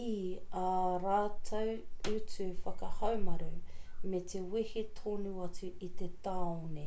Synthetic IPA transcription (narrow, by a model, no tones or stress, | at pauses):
iaɾaːtʰɐwʉt͡sʉfɐkɐhɐwmɐɾumet̪ewihetʰoːnuɐt͡suit̪et̪aone